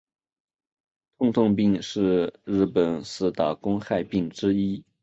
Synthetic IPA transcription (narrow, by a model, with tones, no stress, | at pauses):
t̪ʰʊ˥˧ŋt̪ʰʊ˥˧ŋp̬i˥˧ŋʂɻ̩˥˩ɻɻ̩˥˩pə˨˩nsɹ̩˥˩t̪a˨˩kʊ˥ŋxa˥˧ɪpi˥˩ŋʈ͡ʂɻ̩˥i˥